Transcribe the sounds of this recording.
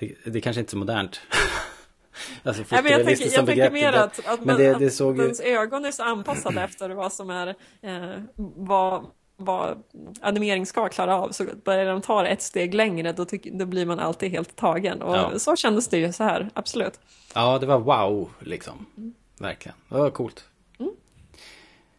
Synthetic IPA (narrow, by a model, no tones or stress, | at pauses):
d̪̥ɛd̪ɛkʰanʂəɪnəsɔmʊd̪æɳʈ | alsɔfɛmɛnjɑvʰɛɪstk̪jɔmbɛɡɾɛkɾmeːɾat̪at̪mɛnd̪ɛd̪ɛsoːɡjɛnsøːɡɔnæɾʂɔanːpʰasːad̪əɛft̪əɾvasɔmæɾ | va | va̰a̰nɪmeːɾɪŋskakʰlɑːɾaɑvsɔb̥œɾjaɾd̪ɔmt̪ʰɑːɾɛ̰t̪st̪eːɡlɛŋɾəd̪ɔd̪ɔbliɾmana̰lt̪iːd̪ɦeːlt̪ʰːɑːɡə̰nɔ̰sɔɕɛnd̪əsd̪ɛjɵsɔhæ̰ːɾa̰b̥sɔlʉ̟ːt̪ | ɑːd̪ɛvaɾwaʊlɪ̰ksɔ̰m | væ̰ɾklɪɡə̰nd̪ɛvakʰuːlt̪ | m̩ː